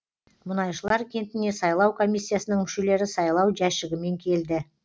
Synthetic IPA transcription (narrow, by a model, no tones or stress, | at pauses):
mʊnɑjʃəlˠɑɾkʲʰe̞nt̪ɪne̞sɑjlˠɑwkʰo̞mʲijsʲːijasənəɴmʏʃe̞le̞ɾɪsɑjlˠɑwʒæʃɪɡʲɪme̞ŋkʲʰe̞ld̪ɪ